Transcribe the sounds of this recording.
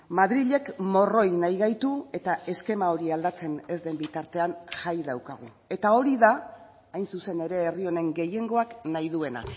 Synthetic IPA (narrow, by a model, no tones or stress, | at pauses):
maðɾiʎe̞kmo̞ro̞jnajɣajt̪ue̞t̪ae̞ske̞mao̞ɾiald̪at͡se̞ne̞zd̪e̞mbit̪aɾt̪e̞anʝajðawkaɣ̞u | e̞t̪ao̞ɾiða | ajnsuse̞ne̞ɾe̞ːrio̞ne̞ŋɡe̞je̞ŋɡo̞aknajðue̞na̰